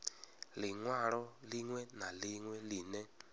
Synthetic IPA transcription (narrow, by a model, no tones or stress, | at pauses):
liŋwaɺɔliŋwɛnaliŋwɛlinɛ